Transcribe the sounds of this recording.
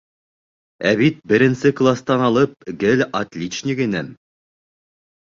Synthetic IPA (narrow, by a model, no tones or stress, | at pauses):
æβit̪̚bɘ̆ɾɘ̆nsɘklˠast̪ɑnɑlˠɤp̚ɡɘlʲɐt̪lʲit͡ɕnʲikinɘm